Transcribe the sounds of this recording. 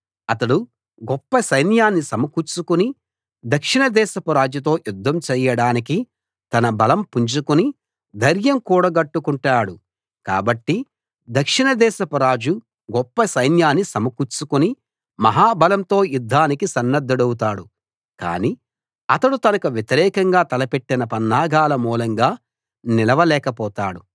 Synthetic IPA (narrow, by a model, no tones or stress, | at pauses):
ɐt̪ɐɽu | ɡɔpːɐsɐjnjaːnːisɐmɐkut͡ʃːukuni | d̪ɐkʂiɳɐd̪ɛːʃɐpɐɾaːd͡ʒut̪̬o̞ːjud̪ʱːɐmt͡ʃɛːjɐɽaːniki | t̪ɐnɐbɐlɐmpuɲt͡ʃukuni | d̪ʱɐɾjɐmkuːɽɐɡɐʈːukuɳʈaːɽu | ka̰ːbɐʈːi | d̪ɐkʂiɳɐd̪ɛːʃɐpɐɾaːd͡ʒu | ɡɔpːɐsɐjnjaːnːisɐmɐkut͡ʃukuni | mɐɦaːbɐlɐmt̪o̞ːjud̪ʱːaːnikisɐnːɐd̪ːɐɽɐwut̪̬aːɽu | ka̰ːni | ɐt̪ɐɽut̪ɐnɐkuʋjet̪iɾɛːkɐŋɡaːt̪ɐlɐpe̞ʈːinɐpɐnːaːɡaːlɐmuːlɐŋɡaː | nilɐʋɐlɛːkɐpɔːt̪aːɽu